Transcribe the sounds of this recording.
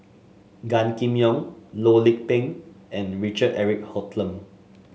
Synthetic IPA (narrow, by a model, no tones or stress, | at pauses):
ɡãnkĩmjɔ̃ŋlolik̚tɛ̃ŋɛ̃nɹit͡ʃədɛɹik̚hɔtʰlə̃m